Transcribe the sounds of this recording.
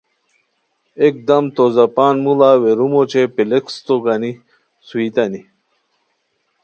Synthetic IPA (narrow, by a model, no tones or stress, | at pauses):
ek̚d̪ɐmt̪ozɐpaːnmulaːweɾumot͡ɕepilekst̪oɡani | suit̪ɐni